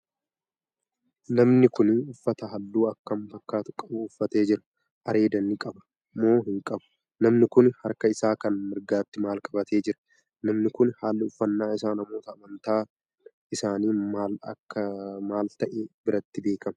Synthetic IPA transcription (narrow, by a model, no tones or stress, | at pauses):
nɐmnɪkʊnʊfːɐt̪ɐɦɐlːuːɐkːɐmbɐkːaːt̪ʊ̥kʼɐbʊːfːɐt̪e̞ːd͡ʒɪɾɐ̥ | ʔɐɾe̞ːd̪ɐnːɪkʼɐbɐ̥ | mːo̞ːɦɪŋkʼɐbʊ̥ | nɐmnɪkʊnhɐɾkɐɪsaːkɐnmɪɾɡaːt̪ːɪmaːlkʼɐbɐt̪ʰe̞ːd͡ʒɪɾɐ̥ | nɐmnɪkʊnhaːlːɪʊfːɐnːaːɪsaːnɐmo̞ːt̪ɐːmɐnt̪aː | ɪsaːniːmaːlɐkːɐmaːlt̪ɐʔebɪɾɐt̪ːɪbe̞ːkɐmɐ̥